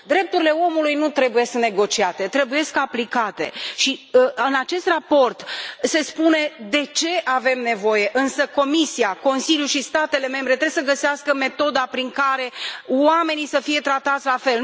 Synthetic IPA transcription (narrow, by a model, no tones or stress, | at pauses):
d̪ɾe̞p̚t̪uɾile̞o̞mulujnut̪ɾe̞buje̞sneɡo̞t͡ʃiat̪e̞t̪ɾebuje̞skaplikat̪e̞ʃiɨnat͡ʃe̞st̪rapo̞rt̪se̞spune̞d̪e̞t͡ʃe̞ʔave̞mne̞vo̞je̞ʔɨnsəko̞misiako̞nsiljuʃist̪at̪e̞le̞me̞mbɾet̪ɾesəɡəseɪaskəme̞t̪o̞d̪apɾiŋkaɾe̞wame̞nisəfije̞t̪ɾat̪at̪sʲlafe̞l